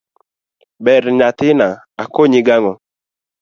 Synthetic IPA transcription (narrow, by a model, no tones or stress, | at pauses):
bɛɾɲat̪ɪna | akoɲɪɡaŋɔ